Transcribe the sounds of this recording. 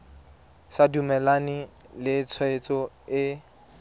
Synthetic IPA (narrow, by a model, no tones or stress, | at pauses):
sadumɛlanɪlɪt͡sʰwet͡sʼɔ | ɪ